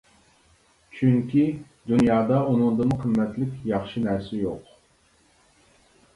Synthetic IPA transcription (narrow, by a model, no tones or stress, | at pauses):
t͡ʃʰyŋkʲi | d̪unjɑːd̪ɑunɨŋd̪ɨnɨqʰəmːɛt̪lɪkʲjɑχʃinɛɾsɪjoq